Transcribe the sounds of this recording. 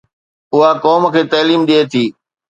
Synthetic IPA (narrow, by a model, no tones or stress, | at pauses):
ʊɦakɔːmkʰeːt̪ɐːliːmɗiet̪ʰiː